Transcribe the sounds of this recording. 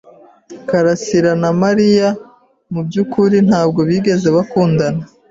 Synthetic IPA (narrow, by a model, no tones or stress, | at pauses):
kaɾasiɾanamaɾija | mubɟukuɾin̥haːb̚ɡo̞βiːɡe̞ze̞βakuːndana